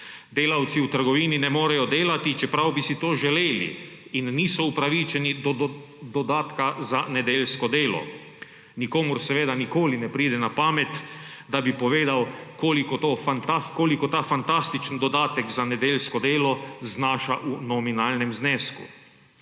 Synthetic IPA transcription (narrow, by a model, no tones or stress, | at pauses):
d̪eːlawt̪siwt̪əɾɡɔʋiːninɛmoːɾɛjɔd̪eːlat̪it͡ʃɛpɾawbisit̪oːʒɛleːlḭ | inːiːsɔupɾaʋiːt͡ʃɛnid̪ | d̪ɔd̪aːt̪kazanɛd̪eːlskɔd̪eːlɔ̰ | nikoːmuɾsɛʋeːd̪anikoːlinɛpɾiːd̪ɛnapaːmɛt̪d̪abipɔʋeːd̪awkoːlikɔt̪oːfant̪askoːlikɔt̪aːfant̪ast̪it͡ʃənd̪ɔd̪aːt̪ɛkzanɛd̪eːlskɔd̪eːlɔznaːʃaʔunɔminaːlnɛmzneːskṵ